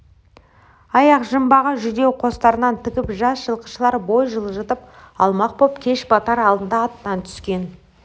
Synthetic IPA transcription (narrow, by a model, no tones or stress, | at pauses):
ɑjɑqʒəmbɑʁəʒʏd̪e̞wqʰo̞st̪ɑɾənɑnt̪ʰɪkʲɪpʒɑsʒ̥əlˠqə̥ʃəlˠɑɾbo̞jʒəlˠəʒət̪əp̚ɑ̰lˠmɑq̚bopkʲʰe̞ʃbɑt̪ɑɾɑlˠd̪ənd̪ɑːt̪ːɑnt̪ʰʏ̥skʲe̞n